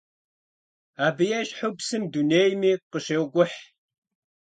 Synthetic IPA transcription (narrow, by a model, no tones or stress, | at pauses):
aːbɨjɛɕʼħʊpsɨmduneːjmiːqəɕeːwɡʷʊħ